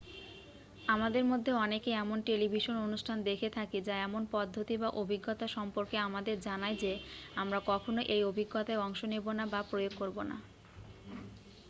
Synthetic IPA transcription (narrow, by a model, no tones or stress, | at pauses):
amad̪eɾmod̪ʱːeɔnekeɛmonʈelibʱiʃononuʃʈʰand̪ekʰet̪ʰakid͡ʑaɛmonpɔd̪ʱːot̪ibaʔobʱiɡːot̪aʃɔmpoɾkeamad̪eɾd͡ʑanajd͡ʑeamɾakɔkʰonoʔejobʱiɡːot̪aeɔŋʃonebonabapɾojoɡ̚koɾbona̰